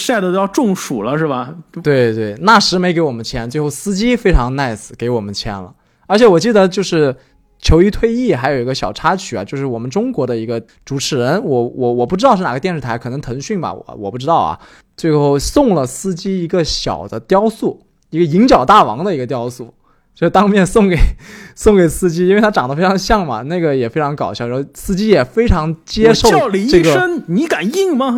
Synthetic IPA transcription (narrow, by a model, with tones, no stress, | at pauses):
sa˥˩ɪd̪ə˧jʊʈ͡ʂʊ˥˩ŋʂu˨˩lə˦ʂɻ̩˥˩bɐ˩t̪we˥˩ɪt̪we˥˩ɪna˥˩ʂɻ̩˧˥me˧˥ɪke˧˥ɪwɔ˨˩mə˦nt͡ɕʰjɛ˥nt͡swe˥˧ɪxo˥˩ʊsɹ̩˥t͡ɕi˥fe˥ɪʈ͡ʂʰɑ˧˥ŋna˥˩ɪsɹ̩˨˩ke˧˥ɪwɔ˨˩mə˦nt͡ɕʰjɛ̰˧˥nlə̰˧ | ə˞˧˥t͡ɕʰjɛ˧˥wɔ˨˩t͡ɕi˥˩d̪ə˧˦t͡ɕjo˥˧ʊʂɻ̩˥˩ | t͡ɕʰjo˧˥ʊi˧˥t̪ʰwe˥˧ɪi˥˩xa˧˥ɪjo˨˩ʊi˧˥ɡə˧ɕjɑ˨˩ʊʈ͡ʂʰa˥t͡ɕʰy˨˩ɐ̰˦t͡ɕjo˥˧ʊʂɻ̩˥˩wɔ˨˩mə˦nʈ͡ʂʊ˥ŋkwɔ˧˥d̪ə˧i˧˥ɡə˧ | ʈ͡ʂu˨˩ʈ͡ʂʰɻ̩˨˥ɻə˧˥nwɔ˧˥wɔ˧˩˥wɔ˨˩pu˥˩ʈ͡ʂɻ̩˥tɑ˥˧ʂɻ̩˥˩a˨˩ə˦t̪jɛ˥˧nʂɻ̩ʰ˥˩a˧˥ɪkʰɤ˨˩nɤ˧˥ŋt̪ʰɤə˧˥ŋɕy˥˩nbɐ̰˨˩wɔ̰˨˩wɔ˨˩pu˥˩ʈ͡ʂɻ̩˥t̪ɑ˥˩ʊɐ̰˩ | t͡swe˥˧ɪxo˥˩ʊsʊ˥˩ŋlə˩sɹ̩˥t͡ɕi˥i˧˥ɡə˧ɕjɑ̰˨˩ʊd̪ə˦t̪jɑ˥ʊsu˥˩ | i˧˥ɡə˧i˧˥ŋt͡ɕjɑ˨˩ʊt̪a˥˩wɑ̰˧˥ŋd̪ə˧i˧˥ɡə˧t̪jɑ˥ʊsu˥˩ | t͡ɕjo˥˧ʊʂɻ̩˥˩t̪ɑ˥ŋmjɛ˥˧nsʊ˥˩ŋke˨˩ɪsʊ˥˩ŋke˨˩ɪsɹ̩˥t͡ɕi˥i˥nwe˥˩ɪt̪ʰa˥ʈ͡ʂɑ˨˩ŋd̪ə˦fe˥ɪʈ͡ʂʰɑ˧˥ŋɕjɑ˥˩ŋmɐ̰˩na˥˩ɡə˩jɛ˨˩fe˥ɪʈ͡ʂʰɑ˧˥ŋkɑ˨˩ʊɕjɑ˥˩ʊɻxo˥˧˩sɹ̩˥t͡ɕi˥jɛ˨˩fe˥ɪʈ͡ʂʰɑ˧˥ŋt͡ɕjɛ˥ʂo˥˧ʊ˧˥ʈ͡ʂɤ˥˩ɡə˩ə˥nni˧˥ka˨˩ni˥˩ŋmɐ˨